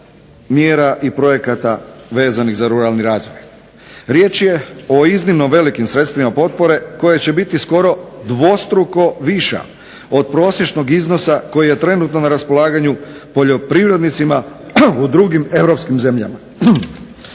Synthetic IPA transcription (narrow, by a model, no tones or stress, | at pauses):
mjeːɾaʔipɾo̞je̞kat̪aʋe̞ːzaniɣzaɾuɾalˠniɾaːzʋoj | ɾje̞ːt͡ʃje̞o̞iznimnoʋe̞likimsɾe̞t̪st̪ʋimapo̞t̪̚po̞ɾe̞ko̞jet͡ɕe̞bit̪isko̞ɾo̞d̪ʋo̞st̪ɾuko̞ʋiʃa̰ | o̞d̪̚pɾo̞ːsje̞t͡ʃno̞ɡizno̞sako̞jije̞t̪ɾe̞nuːt̪no̞naɾaspo̞lˠaːɡaɲu | po̞ʎo̞pɾiʋɾe̞d̪nit̪sima | ud̪ɾuɡime̞ʋɾo̞pskimze̞mʎa̰ma